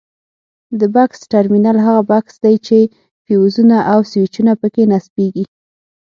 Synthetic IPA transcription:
d̪əbaksʈaɾminalɦaɣabaksd̪ajt͡ʃe | fiwuzunaʔawswit͡ʃunapəkenaspeɡi

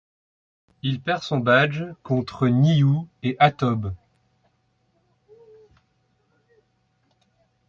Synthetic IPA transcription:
ilpɛʁsɔ̃bad͡ʒkɔ̃t̪χəniueʔat̪ɔb

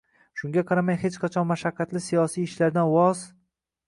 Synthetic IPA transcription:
ʃʊŋɡʲaqʰɑɾamajhet͡ʃqʰɑt͡ʃʰɒnmaʃaqːɑt̪lɪsijɒsijɪʃlaɾd̪anwɒz̥

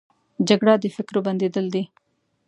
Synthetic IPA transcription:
d͡ʒaɡɽad̪əfɪkɾobɐnd̪ed̪əld̪i

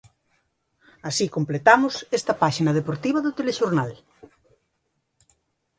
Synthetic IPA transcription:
asikomplet̪amʊsest̪ɐpaʃinɐðepoɾt̪iβ̞ɐðʊt̪eleʃoɾnal

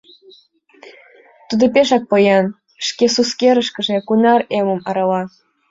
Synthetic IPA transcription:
t̪ud̪opeʃɑk̚pojɑn | ʃkesuskeɾə̆ʃkə̆ʒĕkunɑremə̆mɑɾɑlɑ

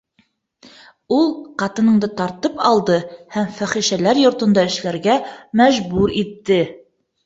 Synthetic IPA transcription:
ulˠqɑt̪ɤ̆nɤ̆ɴd̪ɤt̪ɑɾt̪ɤpɑlˠd̪ɤhæmfæχiʃælæɾjŏɾt̪ɤ̆nd̪ɑɘ̆ʃlæɾɡæmæʒbuɾit̪ːɘ

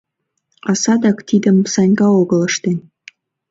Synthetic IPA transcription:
ɑsɑd̪ɑkt̪id̪ə̆msɑnʲɡɑoɣə̆ləʃt̪en

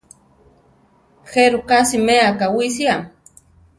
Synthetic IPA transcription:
xeɾukasimeakawis̬jam

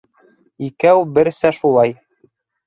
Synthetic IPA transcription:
ikæwbɘɾsæʃulˠɑj

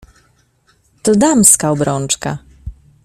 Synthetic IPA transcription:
t̪ɔd̪amskaɔbɾɔnt͡ʂka̰

